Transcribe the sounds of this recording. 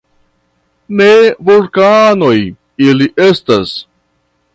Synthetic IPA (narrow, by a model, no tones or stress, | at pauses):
nevulkano̞j | iliʔestas